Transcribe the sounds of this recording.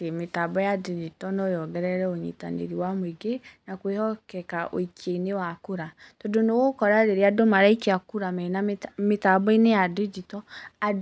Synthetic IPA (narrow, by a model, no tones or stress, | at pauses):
emetabɔjadid͡ʒitɔnɔjɔɡɛɾɛɾɛoɲḭta̰nḛɾiwamweɡenakwehɔkɛkaʔo̰ikʰeinewakuɾatodonowokɔɾaɾeɾeadomaɾaikeakuɾamɛnametabɔinejadid͡ʒitɔa